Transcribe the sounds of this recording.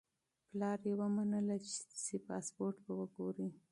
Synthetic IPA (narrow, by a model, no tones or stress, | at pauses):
plɑɾjawamanəlat͡ʃɪ̥sepɑspoɾʈbawəɡoɾi